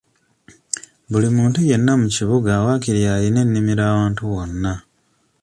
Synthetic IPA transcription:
βulimuːntuje̞nːamuciβuɡawakiɾjaline̞nːimiɾaːwaːntuβo̞nːa

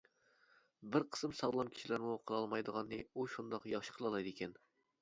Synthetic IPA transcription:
bɪɾqʰə̥sɨmsɑʁlˠɑmkʲʰi̥ʃilæɾmuqʰəlˠɑlˠmɑjd̪əʁɑnːɨuʃund̪ɑqjɑχʃə̥qʰəlˠɑlˠɑjd̪ekʲɛn

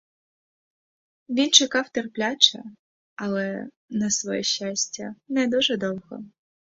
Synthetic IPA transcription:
ʋʲint͡ʃekɑwt̪erplʲat͡ʃɐ̰ | ɐlˠɛ | nɐsʋɔjɛ̰ʃʲːɑsʲtʲɐnɛd̪uʒɛd̪ɔwɦɔ̰

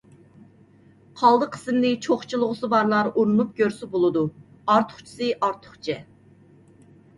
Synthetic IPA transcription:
qʰɑlˠd̪əqʰə̥sɨmlɨt͡ʃʰoχt͡ʃʰulˠʊʁʊsɨbɑɾlˠɑɾuɾunˠup̚ɡʲøɾsɪbolˠɨd̪u | ɑɾt̪ʰʊ̥χt͡ʃʰi̥sɨʔɑɾt̪ʰʊ̥χt͡ʃʰɛ

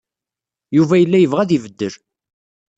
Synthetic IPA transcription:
juvæjəlːæjəvʁæðivəd̪ːəɾ

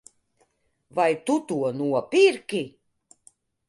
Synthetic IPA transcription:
vajt̪ut̪uɔnuɔpʲiɾkʲi

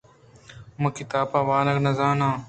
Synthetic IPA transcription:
mɐkɪt̪aːbɐʋaːnɐknɐzãːnãː

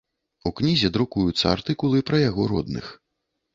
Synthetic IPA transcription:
uknʲizʲɛd̪ɾukujut̪sːɐart̪ɨkulˠɨpɾɐjaɣɔɾɔd̪nɨ̰x

